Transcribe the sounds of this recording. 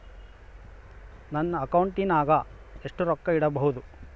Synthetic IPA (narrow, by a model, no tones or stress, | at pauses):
nɐnːɐːkɐwuɳʈinaːɡɐ | e̞ʂʈuɾɔkːɐiɽɐbɐɦud̪u